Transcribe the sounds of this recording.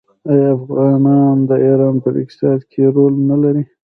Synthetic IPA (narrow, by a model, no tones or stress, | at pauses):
ajafɣɑnɑnd̪əeɾɑnpəd̪ɪ̰k̚t̪ɪ̥sɑd̪kʰeɾolnalaɾi